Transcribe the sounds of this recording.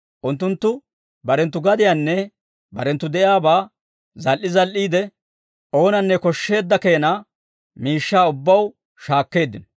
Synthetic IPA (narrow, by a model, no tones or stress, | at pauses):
ʔʊnt̪ːʊnt̪ːʊ | bɐɾɛnt̪ːʊɡɐd̪ɪjanːɛ | bɐɾɛnt̪ːʊd̪ɛʔjaːbaː | zɐlʔɪzɐlʔiːd̪ɛ | ʔo̞ːnɐnːɛkɔʃːe̞ːd̪ːɐke̞ːna | miːʃːaːʊbːɐw | ʃaːkːe̞ːd̪ːɪn